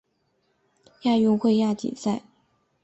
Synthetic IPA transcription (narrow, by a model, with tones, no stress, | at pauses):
ja˥˧jʊ˥˧ŋxwe˥˧ɪja˥˩t͡ɕḭ˨˩sa˥˩ɪ